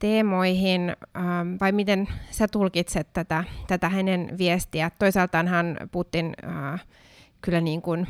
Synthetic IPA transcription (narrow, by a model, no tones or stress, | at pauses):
t̪eːmoihinəːʋɑimit̪ensæt̪ulkit̪set̪tæt̪æt̪æt̪æhænenʋiest̪iæt̪t̪ːoisɑlt̪ɑːnhænpuht̪ːinəː | kylːæniːŋkun